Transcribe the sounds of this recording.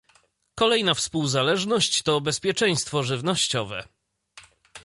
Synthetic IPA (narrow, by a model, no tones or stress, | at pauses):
kɔlɛjnafspuwzalɛʐnɔɕt͡ɕt̪ɔbɛspʲjɛt͡ʂɛj̃st̪fɔʐɘvnɔɕt͡ɕɔvɛ̰